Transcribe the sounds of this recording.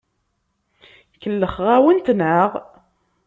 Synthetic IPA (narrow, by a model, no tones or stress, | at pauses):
kəlːəχʁæwənt̪nəʁ